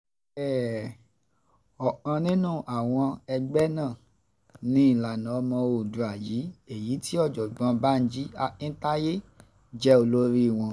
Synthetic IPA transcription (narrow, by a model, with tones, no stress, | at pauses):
ɛ˦˨ | ɔ˨ʔã˧nĩ˦nũ˦˨ʔa˨w̃ɔ̃˧ɛ˧ɡ͡bɛ˦nãː˦˨ | nĩ˦i˦˨la˨nã˨˧mɔ̃˧o˨du˨a˨ji˨˦e˨ji˨˦tʰi˦ɔ˦˨d͡ʒɔ˨ɡ͡bã˧ba˦n̩˦d͡ʒi˦a˦ĩ˦ta˦je˦ | d͡ʒɛ˦o˧lo˦ɾi˦i˦˨w̃ɔ̃˧